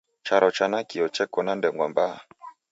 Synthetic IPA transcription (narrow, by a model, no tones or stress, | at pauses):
t͡ʃaɾɔt͡ʃanakiɔt͡ʃɛkɔnandɛŋɡwamba